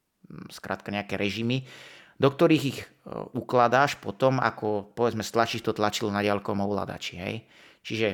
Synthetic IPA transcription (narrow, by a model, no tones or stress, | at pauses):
skɾʔa̰ːt̪kaɲɛakɛɾʔɛʒimi | d̪ɔk̚t̪ɔɾiːɣiɣ | uklad̪aːʃpɔt̪ɔma̰kɔpɔʋɛd͡zmɛst̪lat͡ʃiʃt̪ɔt̪lat͡ʃilnaɟɪalkɔmɔʊla̰d̪a̰t͡ʃiɦɛ̰j | t͡ʃiʒɛ